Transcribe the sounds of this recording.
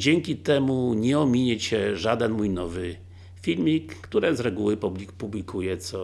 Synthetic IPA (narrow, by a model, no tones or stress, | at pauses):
d͡ʑɛŋkʲit̪ɛmuɲɛɔmʲiɲɛt͡ɕɛʐad̪ɛnmujnɔvɘ | fʲilmʲikːt̪uɾɛzɾɛɡuwɘpublʲipublʲikʰujɛt̪sɔ